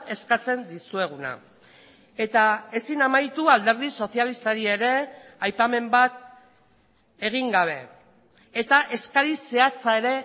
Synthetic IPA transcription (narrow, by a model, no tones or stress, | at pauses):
e̞skat͡se̞nd̪isue̞ɣ̞una̰ | e̞t̪ae̞sinamajt̪uald̪e̞ɾð̞iso̞sialist̪aɾie̞ɾe̞ajpame̞mbat̪̚ | e̞ɣ̞iŋɡaβ̞e̞ː | t̪aʔe̞skaɾise̞at͡sae̞ɾe̞